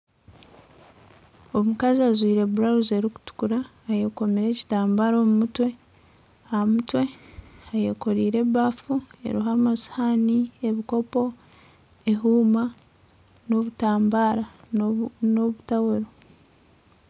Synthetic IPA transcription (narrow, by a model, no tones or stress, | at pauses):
o̞mukaziazwiːɾe̞buɾauze̞ɾiku̥tu̥kuɾaː | je̞ko̞miɾe̞ci̥taːmbaɾoːmumutwe̞ | aamutwe̞aje̞ko̞ɾiːɾe̞βafue̞̰ɾuɦamazi̥hanie̞βiko̞po̞ | e̞ɦuːma | noβutaːmbaːɾa | noβutaweɾo